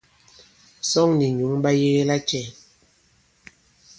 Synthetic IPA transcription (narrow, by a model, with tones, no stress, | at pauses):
sɔ˦˨ŋni˨ɲu˨˦ŋɓa˦je˦la˦t͡ʃɛ˦˨